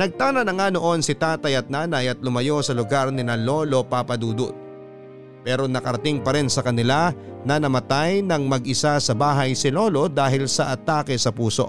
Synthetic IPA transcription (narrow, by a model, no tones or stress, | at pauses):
nɐɡ̚t̪aːnɐnɐŋano̞ʔo̞nsɪt̪aːt̪ɐjɐt̪̚naːnɐjɐt̪̚lʊmɐjo̞sɐlʊɡaɾnɪnɐlo̞ːlo̞papɐd̪uːd̪o | pɛːɾo̞nɐkɐɾɐt̪ɪŋpɐɾɛnsɐkɐnɪlanɐnɐmɐt̪ajnɐŋmɐɡʔɪsasɐbaːɦɐjsɪlo̞ːlo̞d̪aːɦɪlsɐʔɐt̪aːkɛsɐpuːso̞ʔ